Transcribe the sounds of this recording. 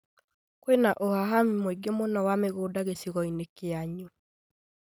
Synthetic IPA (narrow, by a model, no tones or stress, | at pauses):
kwenaʔohaɦamimweɡemonɔwameɣoːdaɣesiɣɔinekeaɲu